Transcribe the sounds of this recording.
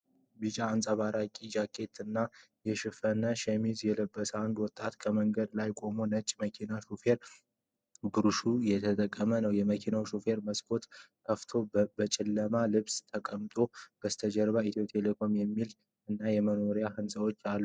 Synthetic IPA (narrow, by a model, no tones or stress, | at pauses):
bɨd͡ʒaːnsʼəβaɾakʼid͡ʒakʰːe̞t̪ɨnːa | jɛʃɪfənəʃɛmizjɛləbːəsəand̪wɔt̪ʼːat̪kʰəməŋɡəd̪lajkʼo̞monət͡ʃʼməkʰinaʃufe̞ɾ | bɨɾuʃujɛt̪ʰət̪ʼəkʼːəmənəwjɛməkʰinawʃufe̞ɾməskʰo̞t̪kʰəft̪ʰo̞bət͡ʃʼɪlːəmalɨβst̪ʰəkʼəmt̪ʼo̞b̥əst̪ʰəd͡ʒəɾβait̪ʰot̪ʼjelekʰo̞mjɛmːil | ɨnːajɛməno̞ɾjahɨnsʼəwot͡ʃːalːu